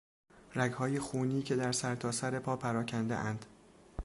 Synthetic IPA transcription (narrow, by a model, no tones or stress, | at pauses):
ræɡhɒːjexuːniːcʰe̞d̪æɾsæɾt̪ʰɒːsæɾe̞pʰɒːpʰæɾɒːcʰænd̪ḛʔænd̪̥